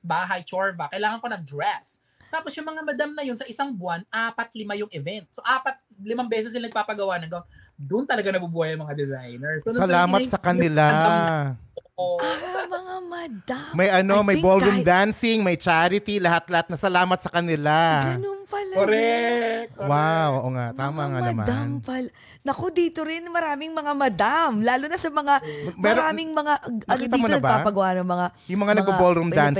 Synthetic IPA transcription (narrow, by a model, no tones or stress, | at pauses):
baːɦɐjt͡ʃoɹvɐkɐjlaːŋɐnko̞nɐd̪ɾɛs | t̪aːpo̞sjʊŋmɐŋamɐd̪amnɐjo̞nsɐʔɪsaŋbwanʔaːpɐt̪̚lɪmajʊŋʔɛvɛnt̪̚soʔaːpɐt̪̚lɪmaŋbɛːsɛs̬jɪnɐɡ̚paːpɐɡɐwaʔnɐɡɐwa | d̪ʊnt̪ɐlɐɡanɐbubuːhɐjɐŋmɐŋad̪ɛzajnɛɹsosɐlaːmɐt̪sɐkɐnɪla | oʔoaŋamɐd̪amɐjʔɐnomɐjboljumd̪ansɪŋmɐjt͡ʃaːɾɪt̪ilɐhat̪̚lɐhat̪nɐsɐlaːmɐt̪̚sɐkɐnɪlaɡɐnonpɐlaɾɛ | wawʔoːʔoŋaʔt̪aːmɐŋamnɐmda̰anmpɐla | nɐkod̪iːt̪oɾɪnmɐɾaːmɪŋmɐŋamɐd̪amlaːlunɐsɐmɐŋamɛɐɾaːmɪŋmɐŋaʔ̪ɐkiːdt̪ɐiːmoɐnɐɡbapaːpɐɡɐwʔanɐŋmɐŋa | jʊmɐŋanɐɡ̚bɐbolɾumd̪an